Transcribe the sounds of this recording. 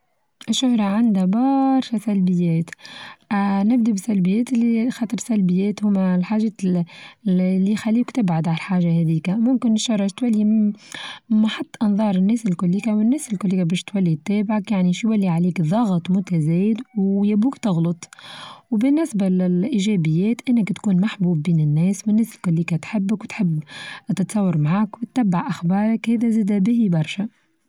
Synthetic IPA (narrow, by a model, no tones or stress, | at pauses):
ʔɪʃːʊhɾˤɑʕand̪hæbɑɾˤʃæsælbɪjːɛːt̪ | nɪb̚d̪ibɪsælbɪjːɛːt̪lːixɑːt̪ˤəɾˤsælbɪjːɛːt̪hʊmælħaːʒɛ | lːiːxælːiːkt̪ɪbʕad̪ʕalħaːʒahɛd̪iːkæmʊmkɪnɪʃːʊhɾˤʃt̪wælːi | mːaħɑt̪ˤːʔɑnðˤɑːɾˤɪnːɛːsɪlkʊlːikawɪnːɛːsɪlkʊlːiːkabɛːʃt̪wælːit̪ːɛːbʕakjaʕniʃjwælːiʕaliːkðˤɑɣt̪ˤmʊt̪æzɛːjɪd̪wjæbuːkt̪ɑɣlɑt̪ˤwbɪnːɪsballʔiʒɛːbɪjːɛːt̪ʔɪnːɪkt̪kuːnmaħbuːbːiːnɪnːɛːswɪnːæːsɪlkʊlːiːkat̪ħɪbːɪkwt̪ħɪbːt̪ɪt̪sˤɑwːɑɾˤmaʕaːkwɪt̪ːæbːaʕʔaxbɑːɾˤɑkhɛːðæziːd̪æbɪhibɑɾˤʃa